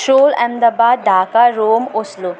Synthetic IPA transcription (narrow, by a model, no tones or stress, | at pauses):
ʃoːlɛ̰md̪ɐbaːd̪̚d̪aːkaɾoːmoslu